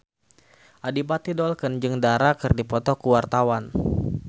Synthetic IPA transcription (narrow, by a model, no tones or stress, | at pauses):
ʔadipat̪idɔlkənd͡ʒɨŋdaɾakərdipɔt̪ɔkuwart̪awan